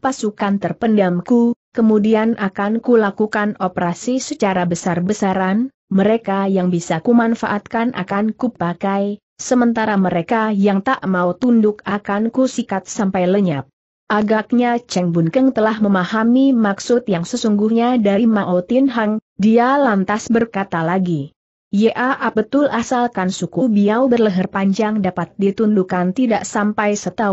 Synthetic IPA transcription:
pasukant̪ərpəndamkukəmudianʔakankulakukanopəɾasisət͡ʃaɾabəsarbəsaɾan | məɾekajaŋbisakumanfa̰ʔat̪̚kanʔa̰kankupakaj | səmənt̪aɾaməɾekajaŋt̪aʔmaut̪undʊk̚akankusikat̪̚sampajləɲap̚ | ʔaɡak̚ɲat͡ʃɛŋbunkəŋt̪əlahməmahamimaksʊt̪jaŋsəsuŋɡuhɲadaɾimaʔot̪inɦaŋ | dialant̪asbərkat̪alaɡi | jəʔaʔabət̪ʊlʔasalkansukubiawbərləɦərpaɲd͡ʒaŋdapat̪̚dit̪undukant̪idaʔsampajsət̪a

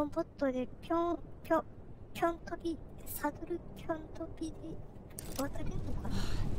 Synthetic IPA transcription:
õmbot̪ːod̪epʲõpʲo | pʲjõnt̪opʲisad̪oɾɯpʲʰjõnt̪opʲid̪e | βat̪aɾʲenokana

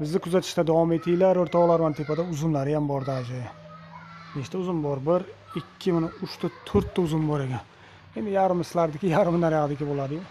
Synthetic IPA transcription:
bɪzd̪ɪkʰʊzat̪ʰɪ̥ʃt̪ad̪avɒme̞t̪ʰijlaɾoɾt̪ʰɒʁlˠaɾmant̪ʰepad̪aʊzʊmlaɾɪjambɒɾd̪ad͡ʒɪ | neʃt̪aʊzɪmbɒɾbɪɾɪkʲʰːɪmɪnɪʊʃt̪at̪ʰɵɾt̪ʰːaʊzɪmbɒɾekʲan | end̪ɪjaɾɪmɪsɪlaɾd̪ɪkʲɪjaɾɪmɪnaɾjaʁd̪ɪkʲɪbolˠad̪ɪjʊ

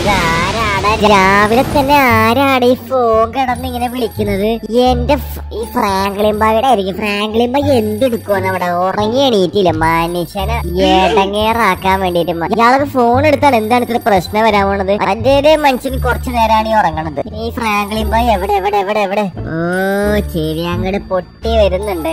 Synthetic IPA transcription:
aːɾaːɽaːiɾiɾt͡ɕaːʋilet̪ːɐnːe̞aːɾaːɽeifoːŋɡɐɽɐnːiŋːɐne̞ʋiɭikʲːunːɐðɨende̞ | iːfraːŋɡɐɭijmbaːʋiɽeaːjiɾikʲːumfraːŋɡɐɭimbaːe̞nd̪eɽukːuʋaːnɐʋiɽeorɐŋːieɳijiʈːilːɐmaːnit͡ɕːaːnaeɽɐŋːeːraːkːaːmʋe̞ːɳɖijitːumːajijaːɭokːefo̞ːne̞ɽut̪ːaːɳend̪aːɳɨt̪ːɐlɨprɐɕnɐʋɐɾaːmoɳːɐðɨɐɐndeɾemɐnɕinkurɐt͡ɕːɨne̞ːɾaːɳiorɐŋːɐɳːɐðɨiːfraːŋɡɐɭijmbaːeʋiɽeeʋiɽeːʋiɽeeʋiɽeoːt͡ɕeʋijaːŋːɐɽepo̞ʈːiʋɐɾunːuɳɖɨ

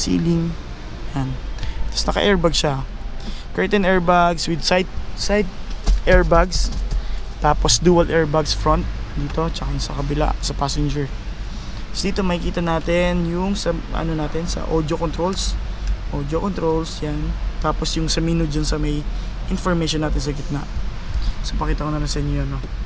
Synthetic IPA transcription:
sḭːlɪŋ | jant̪ɐ̥snɐkɐ̰ʔɛɹbaɡʃa | kɛɹt̪ɛnɛɹbaɡswɪd̪̚sajt̪̚sajt̪̚ʔɛɹbaɡs | t̪aːposd̪uːɐlʔɛɹbaɡsfɹont̪̚d̪iːt̪o̞t͡ʃɐkaŋsɐkɐbɪla̰sɐpaːsɛnd͡ʒɛɹ | sod̪iːt̪o̞mɐhɪkiːt̪ɐnaːt̪ɛnjʊŋsɐʔɐ̰nonaːt̪ɛnsɐ̰ʔod̪jokont̪ɾols | ʔoːd̪jokont̪ɾolsjant̪aːposjʊŋsɐmiːnʊd͡ʒʊnsɐmɐjʔɪnfoɹmejʃonːaːt̪ɪns̬ɐɡɪt̪̚na̰ʔ | sɐpɐkiːt̪ɐkonɐnɐsɛnjono

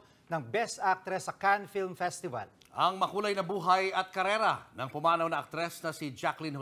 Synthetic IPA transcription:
nɐŋbɛst̪ak̚t̪ɾɛsːɐkanfilmfɛst̪ɪvɐ̰l | ʔɐŋmɐkuːlɐjnɐbuːɦajɐt̪̚kɐɾɛːɾɐnɐŋpʊmaːnɐwnɐʔɐk̚t̪ɾɛsnɐsɪd͡ʒaklɪnh

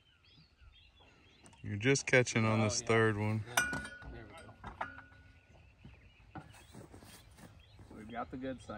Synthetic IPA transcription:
jə˞d͡ʒʌskʰæt͡ʃɪ̃ŋə̃nðɪsθɜ˞d̚wʌ̃n | iɡɑt̪̚ðɨɡʊd̥sã

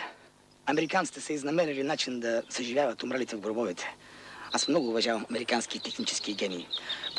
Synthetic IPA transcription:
ɐmɛɾikant̪i̥t̪ɛsɛiznɐmɛɾilinat͡ʃind̪ɐsɐʒivʲjavɐt̪ʊmɾalit̪ɛvɡoɾbɔvɛt̪ʰɛ̥asmnɔɡʊːvɐʒavɐmɐmɛɾikanskit̪ɛxnit͡ʃɛ̥sk̟iɡʲɛniː

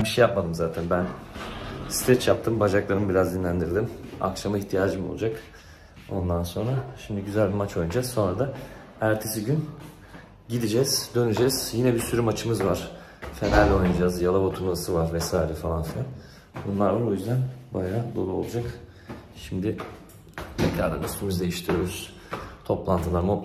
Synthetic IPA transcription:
biʃɛjap̚mad̪ɯmzaːt̪ʰænbæn | si̥t̪ʰɛt͡ʃjap̚t̪ʰɯmbad͡ʒaklˠaɾɯmbiɾazd̪inlʲænd̪iɾd̪ima̰kʃamaiçt̪ʰijaːd͡ʒɯmo̰lˠud͡ʒak | o̞̰nd̪anso̞nɾaʃimd̪ɪɟyzælʲbimat͡ʃʰo̞jund͡ʒazso̞nɾad̪a | æɾt̪ʰe̞siɟyn | ɟid̪id͡ʒɛz̥d̪ø̞nyd͡ʒɛz̥jinɛbisyɾymat͡ʃʰɯmɯzvaɾ̥ | fenalʲo̞jnad͡ʒazjalˠabat̪ʰulˠvasɯvaɾvɛsaːiɾɛfalˠanfilʲˠan | bunlˠaɾvaɾojyzd̪ænbajad̪o̞lˠuo̞lˠud͡ʒak | ʃimd̪ɪ | mecʰʲaɾd̪a̰nyst̪ʰymyzd̪e̞jiʃt̪ʰiɾijoɾyz̥ | t̪ʰo̞plˠant̪ʰɯlˠaɾmo

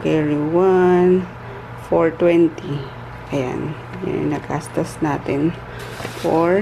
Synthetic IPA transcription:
kɛɹiwan | foɹt̪wɛnt̪i | ʔɐja̰n | jɛ̰nɐkʰast̪ɐsnaːt̪ɛn | foɹ

